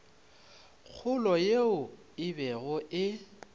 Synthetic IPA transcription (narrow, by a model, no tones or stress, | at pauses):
k͡xʰʊlɔjeʊ | ɪbɛɣʊɪ